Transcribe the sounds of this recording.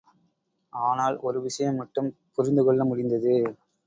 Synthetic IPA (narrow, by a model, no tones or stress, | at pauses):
ʔaːnaːlɔɾɯʋɪʂɐjɐmːɐʈːɯmpʊɾɪnd̪ɯkɔɭːɐmʊɽɪnd̪ɐðɯ